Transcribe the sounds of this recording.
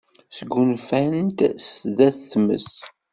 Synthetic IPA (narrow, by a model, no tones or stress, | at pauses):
səɡːunfænt̪sðæθθmə̰s